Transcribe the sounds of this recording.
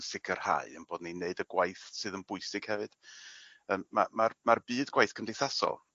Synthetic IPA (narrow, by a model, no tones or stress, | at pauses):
sɪɡʰər̥ha̰ɨənboːdnineɨdəɡwajθsɨːðənbʊɨsɪɡ̥hɛvɨd̥ | əːmːa̰marmarbɨːdɡ̥wajθkʰəndejθasɔ̰lˠ